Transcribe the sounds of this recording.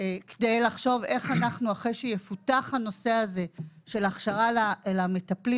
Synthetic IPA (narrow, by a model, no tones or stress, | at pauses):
kedejlaχʃo̞ve̞χanaχnuaχejʃejefutaχhano̞se̞aze̞ʃe̞laχʃaʁalaelame̞tapli